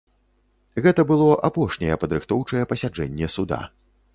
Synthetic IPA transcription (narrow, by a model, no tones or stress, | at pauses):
ɣɛt̪ɐbɨlˠɔʔapɔʂnʲɛjɛpɐd̪ɾɨxt̪ɔwt͡ʂɐjɛpɐsʲad͡ʐɛnʲːɛsud̪a̰